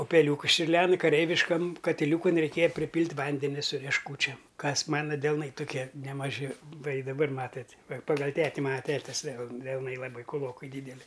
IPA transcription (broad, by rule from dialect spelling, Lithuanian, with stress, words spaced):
ʊpʲɛˈlʲuːkʊs t͡ʃʲʊrʲˈlʲɛn kɐˈrʲɛɪʋʲɪʃkɐm kɐtʲɪˈlʲuːkʊn rʲɛɪˈkʲeːjɛ pʲrʲɪˈpʲiːlʲtʲ ˈʋɐnʲdʲɛnʲɪ sʊ rʲiɛʃˈkuːt͡ʃʲɛm ˈkɐs ˈmɑːnɐ dʲɛlˠˈnɐɪ tʊˈkʲiɛ nʲɛmɐˈʒʲɪ ˈʋɐ ɪ dɐˈbɐr ˈmɑːtɐtʲ ʋɐ pɐˈɡɐlˠ ˈtʲæːtʲɪ ˈmɑːnɐ ˈtʲæːtʲɪs dʲɛlˠ dʲɛlˠˈnɐɪ lˠɐˈbɐɪ kʊˈlˠoːkɐɪ ˈdʲiːdʲɛlʲɪ